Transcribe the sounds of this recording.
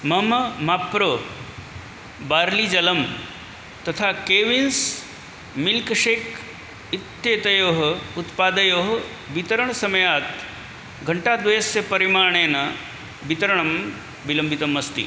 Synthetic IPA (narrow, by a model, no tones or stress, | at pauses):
mɐmɐmapɾoː | baːɾlid͡ʒɐlɐm | t̪ɐt̪ʰakeːʋins | milkʂeːk | it̪ːjeːt̪ɐjoːɦɐut̪paːd̪ɐjoːɦɐ | ʋit̪ɐɾəɳ̃sɐmɐjaːt̪ | ɡʱɐɳʈaːd̪ʋɐjɐsepɐɾimaːɳ̃eːnɐ | bit̪ɐɾɐɳɐm | bilɐmbit̪ɐmɐst̪ḭ